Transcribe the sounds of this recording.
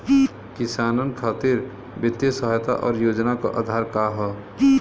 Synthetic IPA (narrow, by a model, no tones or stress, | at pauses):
kɪsaːnənkʰaːt̪iɾ | bɪt̪jəsəɦjt̪a̰ʔɔːɾjoːd͡ʒnaka̰ʔa̰ːd̪ʱaːɾkaɦɛ